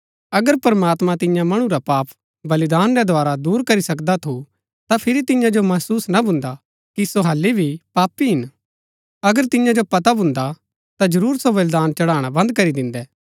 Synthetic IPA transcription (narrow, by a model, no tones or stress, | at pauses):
ɐɡəɾpɐɾmaːt̪mãt̪ɪjãmɐɽ̃ũɾapaːp | bɐlɪd̪aːnɾɛd̪ʱoaːɾad̪uːɾkɐɾisɐkd̪at̪ʰu | t̪apʰɪɾit̪ɪjãd͡ʒomɐɦsuːsnabʱʊ̃nd̪a | kisoɦɐlːibʱipaːpːiɦɪn | ɐɡəɾt̪ɪjãd͡ʒopɐt̪abʊ̃nd̪a | t̪ad͡ʒɐɾuːɾsobɐld̪aːnt͡ʃɐɽaːɽ̃abɐ̃nd̪̚kɐɾid̪ɪ̃nd̪ɛː